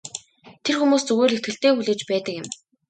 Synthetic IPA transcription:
t̪ʰerxumuːst͡sɵɣoːɮet̪̚ɡɘ̆ɬt̪eːxuɮeːt͡ɕpæːt̪ə̆kjɪ̆m

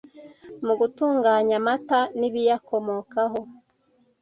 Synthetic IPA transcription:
muɡutuːŋɡaːɲamataniβijakʰo̞mokaɦo

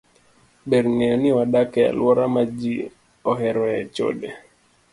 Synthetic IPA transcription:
ɓɛɾŋɛɔniwaɗakɛa̰lwɔɾamad͡ʒi | ɔɦɛɾɔɛt͡ʃɔ̰ɗɛ

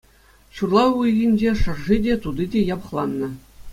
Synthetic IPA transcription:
ɕurlˠɑujɣʲinʲd͡ʑeʂɤ̆rʐidʲet̪ud̪idʲejɑpɤ̆χlˠɑnːɤ̆

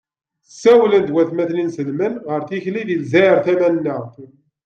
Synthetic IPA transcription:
sːæwlənd̪wæθmæθninsəlmənʁəɾθiçliðilzæəɾθæmænːəʁ

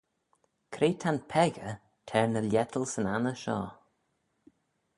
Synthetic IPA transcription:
kʰɾeːt̪ʰanpʰɛɣə | tʰɛɹnəljɛt̪ʰəlˠsənanəʃɔ̰ː

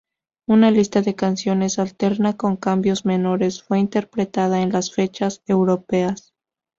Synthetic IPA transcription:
unalist̪aðe̞kansjo̞ne̞salt̪e̞ɾnako̞ŋkambjo̞zme̞no̞ɾe̞sfwe̞int̪e̞ɾpɾet̪að̞aenlasfe̞t͡ʃase̞wɾo̞pe̞as

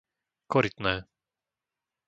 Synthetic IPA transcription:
kɔɾit̪nɛː

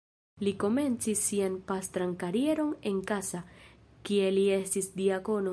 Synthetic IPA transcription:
liko̞me̞nt͡sisːianpast̪ɾankaɾie̞ɾo̞ne̞nkasa | kie̞lie̞stisdiako̞no

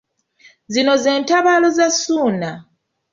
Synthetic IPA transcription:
zino̞ze̞ːntaβaːlo̞zasuːna

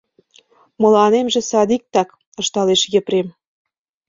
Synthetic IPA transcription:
mɤ̆lɑnemʒĕsɑd̪ik̚t̪ɑk | ɤ̆ʃt̪ɑleʃjə̆pɾem

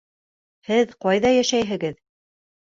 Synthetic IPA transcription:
hɘðqɑjðɑjæʃæjɦɘ̆ɡɘð

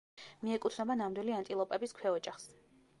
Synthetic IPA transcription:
miɛkʼut̪ʰnɛbanamd̪wiliant̪ʼilˠɔpʼɛbiskʰwɛɔd͡ʒaχs

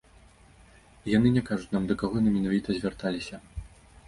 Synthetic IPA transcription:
janɨnʲɛkaʐut͡sʲnamd̪ɐkaɣɔjanɨmʲɛnavʲit̪ɐzʲvʲart̪alʲisʲɐ

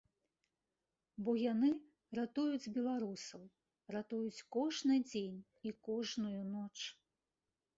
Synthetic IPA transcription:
bɔjanɨ | rat̪ujud͡zʲbʲɛlˠaɾusɐw | rat̪ujut͡sʲkɔʐnɨd͡zʲenʲ | ikɔʐnujunɔt͡ʂ

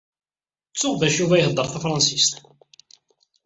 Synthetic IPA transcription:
t͡sːʊʁðæʃuvæjəhəd̪ˤːəɾˤθæfɾˤɑnsist̪

